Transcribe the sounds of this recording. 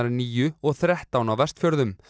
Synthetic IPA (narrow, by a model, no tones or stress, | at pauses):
aɾniːjʏɔɣθɾɛht̪awnawvɛrst̪fjœɾðʏm